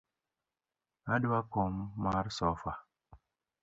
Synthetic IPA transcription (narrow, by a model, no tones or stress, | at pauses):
aɗuwakɔmːaɾsɔfa